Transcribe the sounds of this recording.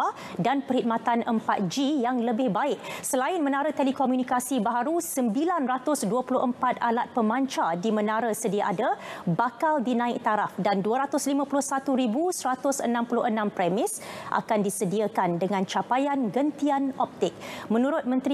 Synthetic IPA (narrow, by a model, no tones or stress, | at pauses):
a | danpərhid̪̚mat̪anəmpa̰t̪̚d͡ʒijaŋləbɪhbaɪk̚səlaɪnmə̃naɾət̪ɛlikomjunikasibaɦaɾusəmbilanrat̪ʊsduəpulʊhəmpat̪̚alat̪̚pəmãɲt͡ʃadimənaɾəsədiaʔadəbakaldinãɪk̚t̪aɾafdanduəɾat̪ʊslimãpulʊhsat̪uɾibusəɾat̪ʊsənãmpulʊhənãmpɾɛmɪsʔa̰kandisədiakandəŋãnt͡ʃapajanɡənt̪ianɔp̚t̪ɪk̚mə̃nuɾʊt̪̚mə̃nt̪ɾi